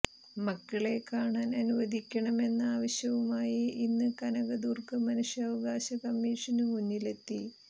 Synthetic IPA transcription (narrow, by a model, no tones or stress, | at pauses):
mɐkːɐɭe̞kaːɳaːnɐnuʋɐd̪ʱikʲːɐɳɐme̞nːaːʋɐɕjɐʋumaːjiinːɨkɐnɐɣɐd̪uːrkɐmɐnuʂjɐʋɐɣaːɕɐkɐmːiːʂɐnumunːile̞t̪ːi